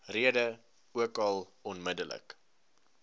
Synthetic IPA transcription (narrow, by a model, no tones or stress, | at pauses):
riədə | uəkɐlˠɔnmədələ̰k